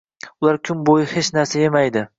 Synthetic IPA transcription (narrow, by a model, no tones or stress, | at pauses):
ʊlaɾkʲʰʊmbojɪhet͡ʃnaɾsajemajd̪ɪ